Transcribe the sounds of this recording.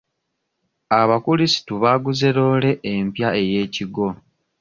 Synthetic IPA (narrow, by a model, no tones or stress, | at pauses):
aβakulisi̥tuβaːɡuze̞ɾoːle̞ʔempjae̞je̞ːciɡo̞